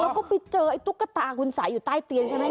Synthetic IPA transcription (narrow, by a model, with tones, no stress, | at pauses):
kɔ˨˦kɔ˨˦pi˧t͡ɕəː˧˩ʔə˨˧˦jt̪u˦˥kːa˦˥t̪a̰ː˧˨˩kwi˨˧˩nsa̰ː˧˩ju˨˧˩t̪aː˧jt̪i˨˩ənt͡ɕa˧˩na˧˦